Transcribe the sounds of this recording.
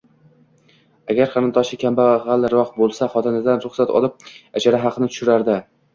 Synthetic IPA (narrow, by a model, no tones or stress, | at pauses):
aɡʲaɾqʰɑnɨnt̪ʰɒʃɪkʲʰambaʁalˠːɪɾɒqbolˠsaχɒt̪ʰɪnad̪anɾʊχsat̪ʰɒ̰lˠɪp̚ad͡ʒaɾaɦɑqʰɨnɪt̪ʰʊ̥ʃʊɾaɾd̪ɪ